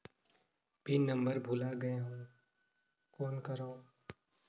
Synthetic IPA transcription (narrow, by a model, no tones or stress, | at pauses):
bʱinɐ̃mbəɾbʱuːlaɡɐjaɦũː | kɔːnkɐɾoː